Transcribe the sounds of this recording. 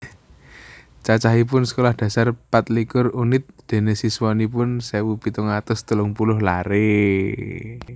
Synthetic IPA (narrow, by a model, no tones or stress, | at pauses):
t͡ʃat͡ʃaɦip̬ʊnsə̥kolahd̥ä̤sarpat̪̚likʊrunɪt̪̚d̪̥e̤nesiswanipʊnsɛwupit̪ʊŋat̪ʊst̪əlʊŋpulʊhlaɾe